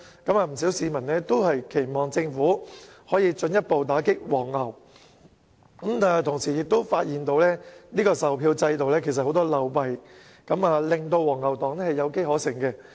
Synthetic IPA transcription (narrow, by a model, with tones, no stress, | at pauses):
kɐ˨˥maː˧m̩˨˩siː˨˥wsiː˨˥mɐ˨˩nlɛː˥t̪o˥whɐ˨jkʰe˨˩jmɔː˨ŋt͡sɪ˧ŋfuː˨˥hɔː˨˥jiː˧t͡sɵ˧njɐ˥t̚po˨˧wt̪aː˨˥kɪ˥k̚wɔː˨˩ŋhɐ˨˩w | kɐ˨˦˥mt̪aː˨jt̪ʰʊ˨˩ŋsiː˨˩jɪ˨k̚t̪o˥wfaː˧t̚jiː˨˩nt̪o˧wlɛː˥niː˥kɔː˧sɐ˨wpʰiː˧wt͡sɐ˧jt̪o˨wlɛː˥kʰe˨˩jsɐ˨t̚ho˨˥wt̪ɔː˥lɐ˨˧wpɐ˨j | kɐ˨˥maː˨˧lɪ˨ŋt̪o˧wɔː˨˩ŋːɐ˨wt̪ɔː˨˩ŋnɛ˥hɐ˨jɐ˨˧wke˥jhɔː˨˥sɪ˨˩ŋkɛ˧